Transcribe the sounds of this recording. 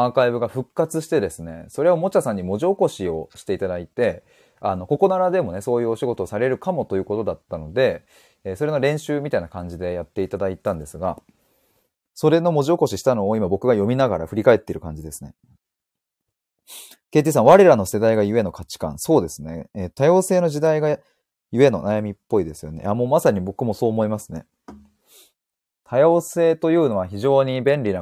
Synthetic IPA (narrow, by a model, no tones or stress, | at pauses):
akaibɯ̟ɡaɸɯ̟kːat͡sɨɕi̥t̪e̞d̪e̞sɨne̞̰so̞ɾe̞o̞mo̞t͡ɕasãɲ̟ːimo̞ʑioko̞ɕio̞ɕi̥t̪e̞it̪ad̪ait̪e̞ | ano̞ko̞ko̞naɾad̪e̞mo̞neso̞ːjɯ̟ːo̞ɕiɡo̞t̪o̞ːsaɾe̞ɾɯ̟kamo̞t̪o̞jɯ̟ːko̞t̪o̞d̪at̪ːano̞d̪e̞ː | so̞ɾe̞no̞ɾẽ̞ɰ̃ɕɨːmʲit̪ainakãɲ̟d͡ʑid̪e̞jat̪ːe̞it̪ad̪ait̪ãnd̪e̞sɨɡa | so̞ɾe̞no̞mo̞ʑio̞ko̞ɕiɕi̥t̪ano̞ːimabo̞kɯ̟ɡajo̞mʲinaɡaɾa̰ɸɯ̟ɾʲikae̞t̪ːe̞ɾɯ̟kãɲ̟d͡ʑid̪e̞sɨ̥ne | keːt̪is̬ãɰ̃βaɾe̞ɾano̞se̞d̪aiɡajɯ̟e̞no̞kʰat͡ɕi̥kã̰ɰ̃so̞ːd̪e̞sɨne̞et̪ajo̞ːse̞ːno̞ʑid̪aiɡa | jɯ̟e̞no̞̰najamʲipːo̞id̪e̞sɨjo̞̰ne̞̰ʔamoːmasaɲ̟ibo̞kɯ̟mo̞so̞ːmo̞imasɨne̞̰ | t̪ʰajo̞ːse̞ːt̪o̞jɯ̟ːno̞βaçiʑo̞ːɲ̟ibẽ̞nɾʲina